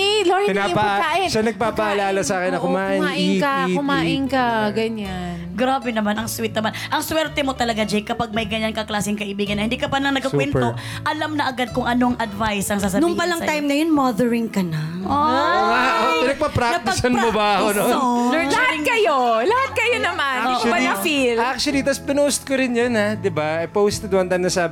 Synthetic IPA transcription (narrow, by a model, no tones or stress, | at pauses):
loɹiɪnpaaːʔɪnʃanɐɡ̚paːbɐʔɐlaːlɐsɐaːkɪnɐkʊmaːʔɪmaʔɪkaʊmaːʔɪnkaɡɐɲanɡɾaːbɛnɐmanʔɐŋswɪt̪nɐmanʔɐŋswɛɾt̪ɛmo̞t̪ɐlɐɡad͡ʒɛjkɐpaɡ̚mɐjɡɐɲankɐklaːsɪŋkɐʔɪbiːɡɐnːɐhɪnd̪iːkɐpɐnlɐŋnɐɡkːɐkwɛnpt̪o | ʔɐlamnɐʔɐɡad̪̚kʊŋʔɐnoɐŋʔɐd̪vajsʔɐŋsaːs̬ɐbnʊiŋpɐlɐŋajmnɐjonmaðɛɹɪŋkɐna | oaʔoɪnɐɡ̚pɐpɾak̪ɐt̪ɐsɐnmobahonolɐhatŋkɐjolɐhat̪̚kɐjonɐmanːbɐlɐfilʔak̚t͡ʃʊɐlit̪ɐspɪnost̪̚koɾɪnjonhad̪ɪbaɐjpowst̪ɛd̪wɐnt̪ajmnɐsaːb